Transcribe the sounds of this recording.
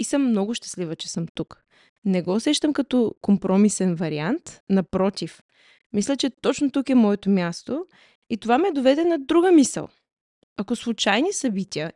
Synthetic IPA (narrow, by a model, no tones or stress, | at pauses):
isəmːnɔɡʊʃt̪ɐ̥slivət͡ʃɛ̥sɤmt̪uk | nɛɡɔːsɛʃt̪əmkɐt̪ɔkompɾɔmisɛnvɐɾiant̪nɐpɾɔt̪ʲif | mislʲɛt͡ʃɛt̪ɔt͡ʃnot̪ukɛmɔɛt̪omʲjast̪o | it̪ovamiɛd̪ovɛd̪ɛnɐd̪ɾuɡəmisə̰lˠ | ɐkoslˠʊt͡ʃajnisɐbit̪ʲiə